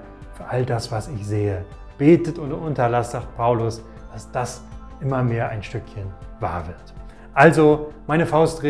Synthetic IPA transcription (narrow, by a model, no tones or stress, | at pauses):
fyːɐʔaldasv̥asɪçz̥eːə | b̥eːtətʊntʔʊntɐlasz̥aːχt̚pʰaʊlʊs | d̥asd̥as | ʔɪmɐmeːɐʔaɪnʃtʏkçənva̰ːɐvɪɐt | ʔalzomaɪnəfaʊstʁe